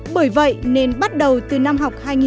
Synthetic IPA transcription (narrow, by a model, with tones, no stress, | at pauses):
ɓəː˧˩jvə̰˧˨jne˧nɓa˦˥t̚ɗə˨˩wt̪ɨ˨˩na˧mɦa˨˩wk͡p̚haː˧jŋi˨